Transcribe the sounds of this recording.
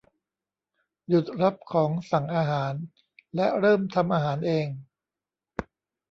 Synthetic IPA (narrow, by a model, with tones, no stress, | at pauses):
ju˨˩t̪̚ɾa˦˥p̚kʰɔː˩˦ŋsa˨˩ŋʔaː˧ɦaː˩˦n | lɛ˦˥ɾɤː˥˩mt̪ʰa˧mʔaː˧ɦaː˩˦nʔeː˧ŋ